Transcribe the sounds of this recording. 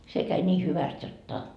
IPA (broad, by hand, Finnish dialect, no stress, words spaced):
se kæi nʲiː hyʋæst jotːɑ